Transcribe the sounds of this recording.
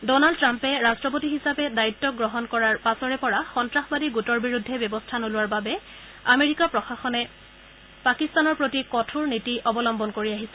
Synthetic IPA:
dɔnald̚tːɹampɛɹastɹɔp̬otiɦisapɛdaitːɔɡɹɔɦɔnkɔɹaɹpasɔɹɛpɔɹaxɔntɹaxɔbadiɡutɔɹbiɹudʱːɛbjɔbɔstʰanolʊwaɹbabɛ | ameɹikapɹɔxaxɔnɛ | pakistanɔɹpɹotikɔtʰuɹnitiʔɔbɔlɔmbɔnkoɹiaɦisɛ̥

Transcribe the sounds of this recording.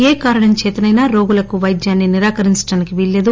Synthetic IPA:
eːkaːɾɐɳɐmt͡ʃeːt̪ɐnɐjnaːɾo̞ːɡulɐkuʋɐjd̪jaːnːiniɾaːkɐɾiɲt͡ʃɐ̥ɽaːnikiʋeɭːeːd̪u

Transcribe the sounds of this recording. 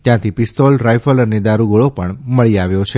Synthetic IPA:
t̪jãt̪ʰipist̪olɾajfələned̪aɾuɡoɭopəɳməɭiaʋjot͡ʃʰe

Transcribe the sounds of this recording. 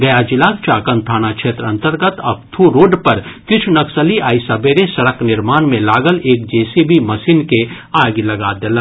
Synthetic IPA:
ɡɐjad͡ʒɪlaːkt͡ʃaːkə̃nt̪ʰaːnakʃeːt̪ɾəɐ̃nt̪əɾɡət̪ɐ̰k̚t̪ʰuɾoːɖpɐɾkɪt͡ʃʰunɐksəliʔaːisɐbeɾesɐɽəknɪɾmaːnmẽlaːɡəleːk̚d͡ʒɛːsibʱimɐsiːnke | aːɡlɐɡaːd̪eːlã

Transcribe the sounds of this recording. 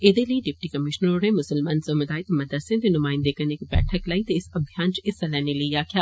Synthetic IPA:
ɪd̪elɐiɖɪp̚ʈikɐmɪʃnəɾonemʊsəlmaːnsɐmɐd̪aːɪt̪mɐd̪əɾsɐ̃t̪enʊmaːɪ̃nd̪ekɐɾnekibɛ̰ːʈʰəklait̪oɪsɐbʱjaːnt͡ʃɪsɐlɛːneliijaːkjaː

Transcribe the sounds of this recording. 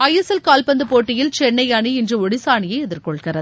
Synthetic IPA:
ɐjɐsɛlkaːlpɐnd̪ɯpoːʈːɪjɪlt͡ʃɛɳːɐɪɐɳiɪndrɯɔɽɪsaːɳɪjɐɪɛðɪɾkɔɭkɪrɐðɯ

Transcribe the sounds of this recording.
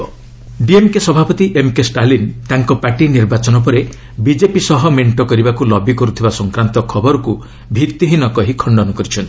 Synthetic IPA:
ɖiemkesɔbʱapɔt̪iʔemkesʈalint̪aŋkɔpaʈiniɾbat͡ʃɔnɔp̬ɔɾe | bid͡ʒepisɔɦɔmeɳʈɔkɔɾibakulɔbikɔɾut̪ʰibasɔŋkɾant̪ɔkʰɔbɔɾɔku | bʱiɾt̪iɦinɔkɔɦikʰɔɳɖɔnɔkɔɾit͡ʃʰɔnt̪i̥

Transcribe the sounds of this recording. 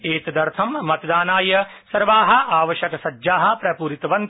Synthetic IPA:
eːt̪d̪ɐɾt̪ʰɐmːɐt̪d̪aːnaːjɐsɐɾʋaːɦɐ̆ʔaːʋɐʃɐkɐsɐd͡ʒd͡ʒaːɦɐ̆pɾɐpuːɾit̪ɐʋɐnt̪

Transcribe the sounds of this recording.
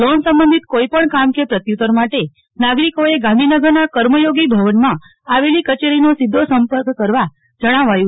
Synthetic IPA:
lonsə̃mbənd̪ʱit̪koipəɳkamkepɾət̪jut̪əɾmaʈe | naɡɾikoeɡãnd̪ʱinəɡəɾnakəɾməjoɡibʱəʋənmã | aʋelikət͡ʃeɾinosɪd̪ʱːosəmpəɾkːəɾʋa | d͡ʒəɽ̃aʋajũ

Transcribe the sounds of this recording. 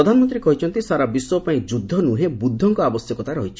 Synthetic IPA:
ɔd̪ʱanɔmɔnt̪ɾikɔɦit͡ʃʰɔnt̪isaɾabiswɔpaĩd͡ʒud̪ʱːɔnuɦebud̪ʱːɔŋkɔabɔsjɔkɔt̪aɾɔɦit͡ʃʰi̥

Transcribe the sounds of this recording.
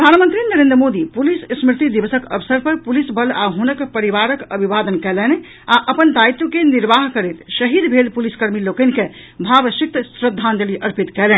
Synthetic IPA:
pɾəd̪ʱanmənt̪ɾinəɾẽnd̪ɾəmod̪ipulissmɾit̪id̪ibəsəkə̰bsəɾpəɾpulisbʱəlaɦunəkpəɾiβaɾəkəbʱibad̪ənkɛlɛn | aʔəpənd̪ait̪ːokeniɾbaɦkəɾet̪səɦid̪bʱelpuliskəɾmilokənke | bʱabəsik̚t̪sɾəd̪ʱːand̪eliʔəɾpit̪kɛlɛn

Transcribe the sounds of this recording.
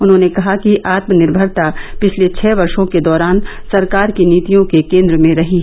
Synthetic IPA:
ʊnɦõːnekɐɦakiʔaːt̪mənɪɾbʱəɾt̪apɪt͡ʃʰlet͡ʃʰɛːʋɐɾʃõked̪ɔːɾaːn | sɐɾkaːɾkiniːt̪ijõkekẽːnd̪ɾəmẽɾɐɦi

